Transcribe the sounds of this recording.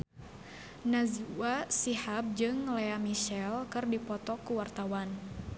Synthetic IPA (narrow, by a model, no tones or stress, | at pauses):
nazuwasihap̚d͡ʒɨŋlɛamiʃɛlkɨrdipɔt̪ɔkuwart̪awan